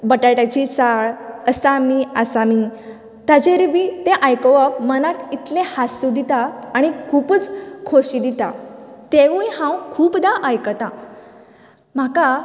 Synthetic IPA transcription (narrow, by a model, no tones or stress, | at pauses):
bəʈajʈat͡ɕit͡saɭəsamiəsami | t̪ad͡ʑeɾbit̪eʔajkəʋəpmənãt̪it̪lẽhasud̪it̪aːɽ̃ikʰuːpət͡skʰoɕid̪it̪at̪eʋũjhãwkʰuːpd̪aʔəjkət̪ã | m̤aka